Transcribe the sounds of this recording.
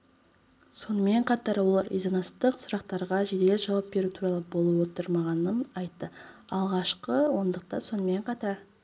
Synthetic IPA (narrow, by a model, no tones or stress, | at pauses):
so̞nəme̞ɴqʰɑt̪ɑɾwo̞lˠɑɾʔḭzɑnɑst̪əqsʊɾɑq̚t̪ɑɾʁɑʒed̪e̞lʲɪʒɑwɑp̚be̞ɾut̪ʰuɾɑlˠəbo̞lˠəpwo̞t̪əɾmɑʁɑnənɑjt̪ːəɑlˠʁɑʃqəwo̞nd̪əq̚t̪ɑ̰nso̞nəme̞ɴqʰɑt̪ɑɾ